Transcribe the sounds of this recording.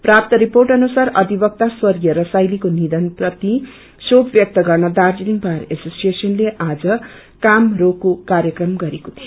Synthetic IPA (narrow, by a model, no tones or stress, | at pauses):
prap̚t̪ʌɾiporʈʌnusarʌd̪ʱibʌk̚t̪aswʌrɡijʌɾʌsajlikonid̪ʌnprʌt̪i | sobbjʌk̚t̪ʌɡʌrnʌd̪ard͡zeniŋpaɾesosijesʌnleʔad͡zʌ | kamrokokaɾjʌkrʌmɡʌɾekot̪ʰij